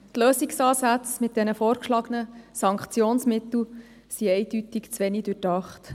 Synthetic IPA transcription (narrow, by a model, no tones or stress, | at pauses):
tløːsiksɑːsæt͡smɪt̚d̥ɛnəfoːrkʃlɑɡənəsɑŋkχt͡sjoːnsmɪt̪l̩ | siɛɪd̥ytɪkt͡sʋɛnid̥yrdɑχt